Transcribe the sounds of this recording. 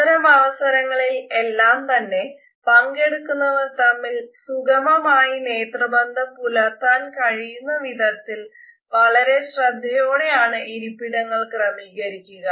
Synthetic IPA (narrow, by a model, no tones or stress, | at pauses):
ɐɾɐmɐʋɐsɐɾɐŋːɐɭilelːaːmt̪ɐnːe̞ | pɐŋɡe̞ɽukːunːɐʋɐrt̪ɐmːilsuɡɐmɐmaːjine̞ːt̪rɐbɐnd̪ʱɐmpulɐt̪ːaːnkɐɻijunːɐʋid̪ʱɐt̪ːil | ʋɐɭɐɾe̞ɕrɐd̪ʱːɐjoːɽe̞jaːɳɨʔiɾipːiɽɐŋːɐɭkrɐmiːɣɐɾikʲːuɣɐ